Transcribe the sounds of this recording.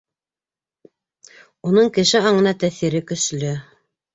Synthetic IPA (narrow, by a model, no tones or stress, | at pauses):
unɤɴkɘ̆ʃɘɑɴɤ̆nɑt̪æθiɾɘkɵ̆slɵ